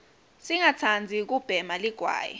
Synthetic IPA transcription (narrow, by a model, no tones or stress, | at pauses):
siŋat͡sʰand͡zʱik̬ub̥ʱɛmaliɡ̥ʱwa̰ːjɛ̰